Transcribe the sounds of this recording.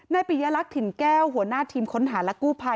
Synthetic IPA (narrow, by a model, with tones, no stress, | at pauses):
na˧jpi˨˩ja˧la˦˥k̚t̪ʰi˨˩˦nkɛː˥˩wɦu˩˦ənaː˥˩t̪ʰiː˧mkʰo˦˥nɦaː˩˦lɛ˦˥kuː˥˩pʰa˧